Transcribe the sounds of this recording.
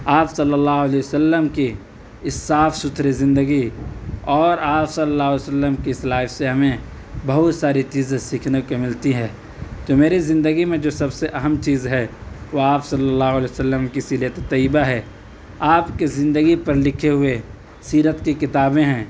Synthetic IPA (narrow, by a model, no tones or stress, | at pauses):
aːpsɐlːəlːaːɦʊəlɛːjəsəlːəmki | saːfʰsʊt̪ʰɾezɪ̃nd̪əɡiɔːɾaːpsɐlːəlːaːɦʊesəlːəmkislaːfseɦɐmẽ | bɐɦʊt̪saːɾit͡ʃiːzẽsiːkʰnekomɪlt̪iɦɛ̃ː | t̪omeːɾizɪ̃nd̪əɡimẽd͡ʒoːsɐbseʔɐɦəmt͡ʃiːzɦɛʋoaːpsɐlːəlːaːɦʊəlejsəlːəmkisilet̪t̪ɐibaɦɛ | aːpkezɪ̃nd̪əɡipɐɾlɪkʰeɦʊe | siːɾət̪kikɪt̪aːbẽɦɛ̃ː